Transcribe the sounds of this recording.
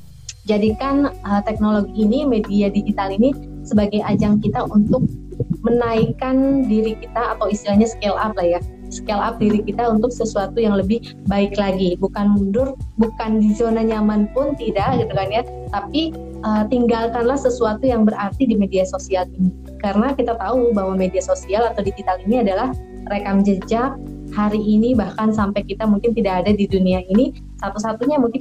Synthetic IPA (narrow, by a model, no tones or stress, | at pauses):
d͡ʒadikanət̪ɛk̚noloɡiːnimediadid͡ʒit̪alinisəbaɡajad͡ʒaŋkit̪aʔunt̪ʊk̚mənaikandiɾikit̪aːt̪awist̪ilahɲasə̥kelap̚lahja | sə̥kelap̚diɾikit̪aunt̪ʊk̚səsuat̪ujaŋləbɪh | baɪklaɡibukanmundʊrbukandizonaɲamanpʊnt̪idaʔɡit̪ukanja | t̪api | ʔət̪iŋɡalkanlahsəsuat̪ujaŋbəɾʔart̪idimediasosialini | karənakit̪at̪aubaɦwamediasosialat̪awdit̪it̪aliniadalah | rekamd͡ʒəd͡ʒak̚ | haɾiːnibahkansampajkit̪amuŋkɪnt̪idakadadiduniaini | sat̪us̬at̪uɲamuŋkɪn